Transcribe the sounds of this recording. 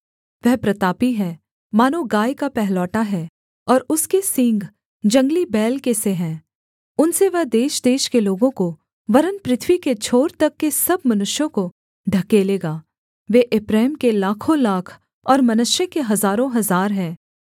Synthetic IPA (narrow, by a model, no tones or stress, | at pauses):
ʋɛɦpɾɐt̪aːpiɦɛ̃ː | maːnoɡaːjkapɛɦlɔːʈaɦɛː | ɔːɾʊskesɪ̃ŋɡ | d͡ʒɐ̃ŋɡlibɛːlkeseɦɛ̃ː | ʊnseʋɛɦd̪eːʃd̪eːʃkeloːɡõko | ʋɐɾənpɾɪt̪ʰʋiket͡ʃʰoːɾt̪ɐkːesɐb̚mɐnʊʃjõko | ɖʱɐkeːleːɡaː | ʋeːʔɪpɾaːmkelaːkʰõlaːkʰ | ɔːɾmɐnʊʃjəkeɦɐzaːɾõɦɐzaːɾɦɛ̃ː